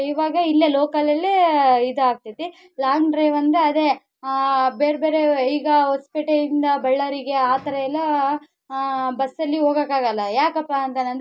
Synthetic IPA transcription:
iʋaːɡɐilːelɔːkɐlɐlːiid̪aːɡ̚t̪ɐt̪i | laːŋɾeːʋɐnd̪eɐd̪e | beːɾbeːɾeiːɡɐɦospiʈejind̪ɐbɐɭːɐɾiɡe̞aːt̪ɐɾɐɛlːɐ | bɐsːɐlːiɦoːɡɐkaːɡɐlːɐjaːkɐpːaɐnt̪ɐnɐnd̪

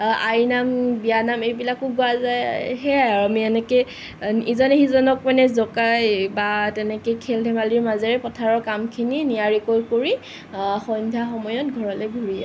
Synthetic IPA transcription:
ajnambijanamejbilakʊɡʊazajɦɛaɹamiɛnɛke | izɔnexizɔnɔk̚manɛzɔkajbatɛnɛkejkʰɛldʱɛmaliɹmazɛɹɛpɔtʰaɹɔkamkʰininijaɹikojkoɹi | xɔndʱaxɔmɔjɔt̚ɡʱɔɹɔlɛɡʱuɹia

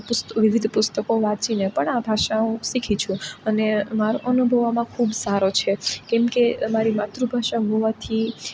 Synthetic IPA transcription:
pʊst̪ʋɪʋɪd̪ʱpʊst̪əkoʋãt͡ʃinepəɳãbʱaʃaɦũsikʰit͡ʃʰũənemaɾoʔənubʱəʋamãkʰubsaɾot͡ʃʰekɛmkemaɾimat̪ɾubʱaʃaɦoʋat̪ʰi

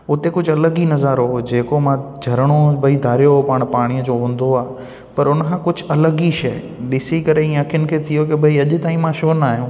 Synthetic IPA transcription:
ʊt̪ekʊd͡ʑʱʊɐləɡinɐzaɾɦod͡ʑeːkomãd͡ʑʱɐɾəɽ̃obʱɐid̪ʱaːɾijoɦpaːɽ̃paːɽ̃iəd͡ʑoːɦũːn̆d̪oaː | pɐɾʊnəkʰãkʊd͡ʑʱʊ̆ɐləɡiʃɐj | ɗɪsikɐɾeĩɐkʰijʊnɪ̆kʰeːt̪ʰijokebʱɐiɐʄʊ̆t̪aːĩmãʃoːnaːɦijũ

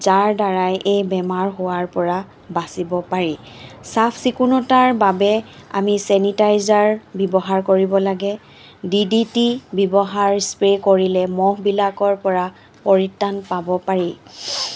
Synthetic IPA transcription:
zaɹdaɹajʔejbɛmaɹɦowaɹpɔɹa | basibɔpaɹi | sapʰsikunɔtaɹbabɛa̰misɛnitajzaɹbibɔɦaɹkoɹibɔlaɡɛ | diditibibɔɦaɹspɹekoɹilɛmɔɦbilakɔɹpɔɹa | pɔɹitːanpabɔpaɹi

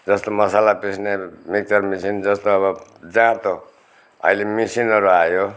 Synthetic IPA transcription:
d͡zʌst̪omʌsalapisnemik̚t͡sʌrmisind͡zʌst̪oʌβʌd͡zãt̪o | ʌ̰ilemisinʌɾuajo

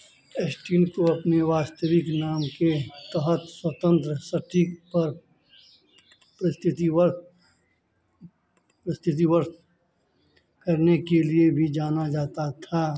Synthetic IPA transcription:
esʈiːnkoɐpneʋaːst̪əʋɪknaːmket̪əɦət̪swɐt̪ə̃nt̪ɾəsəʈʰipɐɾ | pɾɪst̪ʰɪt̪iʋəɾd̪ | pɾɪst̪ʰɪt̪̬iʋəɾt̪ | kɐɾnekeliebʱid͡ʒaːnad͡ʒaːt̪at̪ʰaː

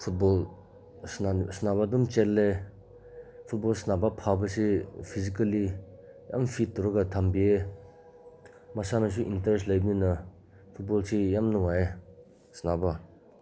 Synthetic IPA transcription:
pʰut̚bɔl | snasnabadumt͡ʃelːe | pʰut̚bɔlsnabapʰabasepʰisikalija̰mfʰit̚tːuɾɔɡatʰambie | masanas̬uʔintaɾeslajbina | pʰut̚bɔlsijamnɔŋae | snaba

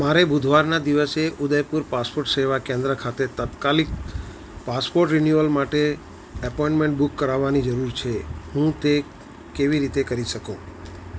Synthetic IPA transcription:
maɾebud̪ʱʋaɾnad̪iʋəseʔud̪əjpuɾpaspoɾʈseʋakẽnd̪ɾəkʰat̪et̪at̪kalik̚ | paspoɾʈɾinjuəlmaʈe | əpɔĩɳʈmẽɳʈbukːəɾaʋːanid͡ʒəɾuɾt͡ʃʰeɦũt̪e | keʋiɾit̪ekəɾiʃəkũ

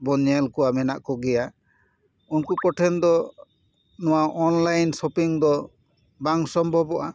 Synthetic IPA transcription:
bɔɲɛlkɔwamɛnaʔkɔɡɛja | unkukɔʈʰɛnd̪ɔ | nɔwaʔɔnlajnsɔpiŋd̪ɔ | baŋsɔmbʱɔbɔʔa

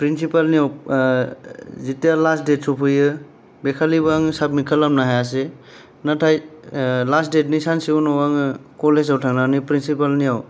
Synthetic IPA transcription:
pɾinsipalnijaw | zitijalasdet̚supʰɯjɯ | bekʰaliβaŋsap̚mikʰalamnaɦajas̬e | natʰajlasdet̚nisansiunɔwaŋɯkɔlesawtʰaŋnanipɾinsipalnijaw

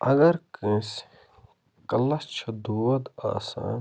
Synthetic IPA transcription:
ɐɡɐɾkə̃ːs | kɐlɐst͡ʃʰɐd̪uːwɐd̪a̰ːsa̰ːn

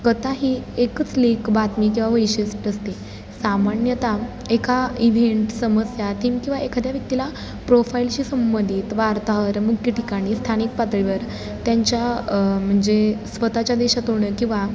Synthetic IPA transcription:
kət̪aɦiːekət͡slekbat̪miːkĩw̃ʋaʋəjɕəsʈəst̪i | samaɳjət̪a | ekaiʋeɳʈsəməsjat̪iːmkĩʋaekʰad̪ʱjaʋjək̚t̪ila | pɾofailt͡ɕiːsəmbənd̪ʱiːt̪ʋaɾt̪aɦəɾmukʰjəʈikaɽ̃iːst̪ʰañik̚pat̪ɭiʋəɾ | t̪jaɲt͡ɕjam̤əɳd͡zesʋət̪at͡ɕjad̪eɕat̪ɦoɽ̃əkĩw̃ʋa

